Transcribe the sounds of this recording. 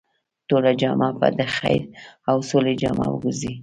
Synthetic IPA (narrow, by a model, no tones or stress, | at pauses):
t̪oɾad͡ʒɑmɑpa̰d̪əxajɾawsoled͡ʒɑmɑ̰wəɡuzi